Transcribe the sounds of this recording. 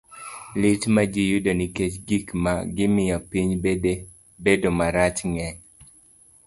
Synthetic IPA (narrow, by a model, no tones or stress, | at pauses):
lɪtmad͡ʒijʊdoniket͡ʃɡikmaɡɪmɪjapiɲbede | bedomaɾat͡ʃŋɛɲ